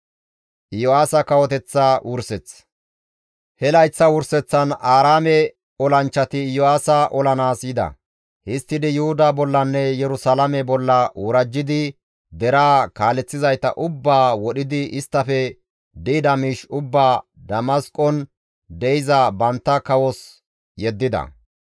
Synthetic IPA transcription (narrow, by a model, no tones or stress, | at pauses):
ʔɪjɔaːsɐkɐwɔt̪ɛt͡sːawʊɾsɛt͡sː | hɛlɐjt͡sːɐwʊɾsɛt͡sːɐnaːɾaːmɛ | ɔlɐnt͡ʃːɐt̪ɪjɔaːsɐʔɔlɐnaːsjɪd̪ɐ̰ | hɪst̪ːɪd̪ɪjʊhʊd̪aːbɔlːɐnːɛjɛɾʊsaːlɐmɛbɔlːɐʊɾɐd͡ʒːɪd̪ɪ | d̪ɛɾaːkaːlɛt͡sːɪzɐjt̪ɐ̰ʔʊbːaːwɔɗɪd̪ɪɪst̪ːɐfɛ | d̪id̪ɐmiːʃʊbːaːd̪ɐmɐskʼɔn | d̪ɛjɪzɐbɐnt̪ːɐkɐwɔs | jɛd̪ːɪd̪ɐ̰